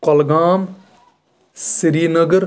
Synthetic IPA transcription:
kɔlɡaːm | siɾiːnəɡəɾ

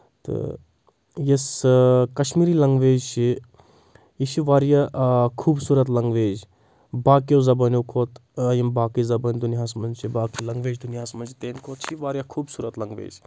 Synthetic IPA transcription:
t̪ɨ̰ | jɐskɐʃmiːɾilɐŋɡʋeːzt͡ʃʰi | iʃiʋaːɾjakʰuːbsuːɾɐt̪lɐŋɡʋeːz | baːkjowzɐbɐnjowkʰoːt̪ːjimbaːkizɐbɐnʲd̪uniɦaːsmɐnt͡ʃʰibaːkilɐŋɡʋeːd͡ʒd̪unijaːsmɐnt͡ʃʰit̪eːnkʰoːt̪ʃʰiʋaːɾjakʰuːbsuːɾɐt̪lɐŋɡʋḛːd͡ʒ

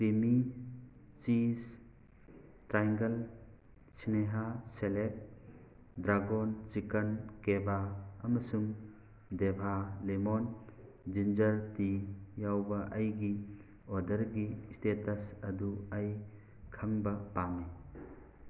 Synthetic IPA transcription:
kɾimi | t͡ʃis | tɾajŋɡɐl | sineɦaselek̚ | dɾaɡɔnt͡ʃikɐnkebaɐmɐsum | debʱalemɔn | d͡ʒind͡ʒɐɾtijawbɐʔɐjɡi | ɔdɐɾɡistetɐsɐduaj | kʰɐmbɐpami

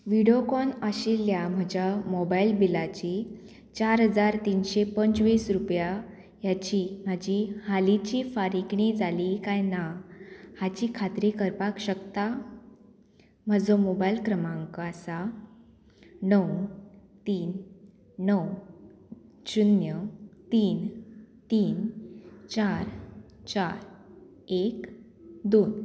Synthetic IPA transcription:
ʋiɽjokɔnəɕiljam̤əd͡ʑjamobailbilat͡ɕiː | t͡ɕaɾɦəd͡zaɾt̪inɕepəɲt͡sʋiːsɾupja | jat͡ɕiːm̤ad͡ʑihalit͡ɕiːfaɾikɳid͡zalikajnahat͡ɕiːkʰat̪ɾikəɾpakɕəkt̪a | məd͡zomobajlkɾəmãŋkasa | nəwnt̪iːnː | əw | ɕunjət̪iːnt̪iːnt͡ɕaɾt͡ɕaɾ | ek | d̪on

